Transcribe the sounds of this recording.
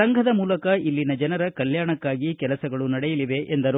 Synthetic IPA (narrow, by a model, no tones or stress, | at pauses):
ɐŋɡʱɐd̪ɐmuːlɐkɐilːinɐd͡ʒɐnɐɾɐkɐljaːɳɐkːaːɡikɛlɐsɐɡɐɭunɐɽɛjɐliʋe̞ʔend̪ɐɾu